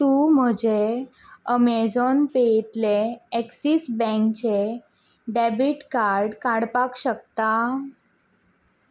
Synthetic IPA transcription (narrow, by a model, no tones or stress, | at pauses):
t̪um̤əd͡ʑe | əmed͡zonpet̪leeksisbɛ̃ŋkt͡ɕe | ɖɛbiʈkaɾɖkaɽpakɕək̚t̪a